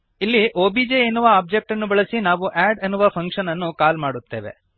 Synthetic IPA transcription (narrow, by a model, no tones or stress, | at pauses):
ilːiʔoːbiːd͡ʒeenːuʋɐaːb̚d͡ʒek̚ʈɐnːubɐɭɐsinaːʋuʔaːɖɐnːuʋɐpʰɐŋkʂɐnɐnːukaːlmaːɽut̪ːe̞ːʋe̞̰